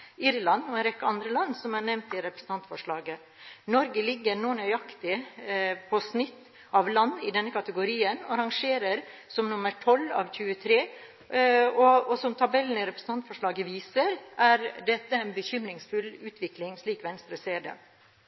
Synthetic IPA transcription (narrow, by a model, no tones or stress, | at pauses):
ɪɾlɑnɔɛnɾɛkːəɑnd̪ɾəlɑnːsɔmæɳɛʋnt̪ɪɾɛpɾə̥sn̩t̪ɑnt̪fɔʂɭɑːɡə | nɔɾɡəlɪɡːəɾnoːɳœʏɑkt̪ɪ | pʰɔsnɪt̪ː | ɑʋlɑnːɪd̪ɛnːəkʰɑt̪əɡʊɾiːənɑɾɑŋʂeːɾəɾsɔmnʊməʈʰɔlːɑ̰ːʋçʉːət̪ʰɾeː | ɔɔsɔmt̪ʰɑbɛlːn̩ɪɾɛpɾəsn̩t̪ʰɑnt̪fɔʂɭɑːɡəʋiːsəɾʔæɾd̪ɛt̪ːəæɪnbəçʏmɾɪŋsfʉlʉːt̪ʰʋɪklɪŋʂɭiːkʋɛnst̪ɾəseːd̪ə̰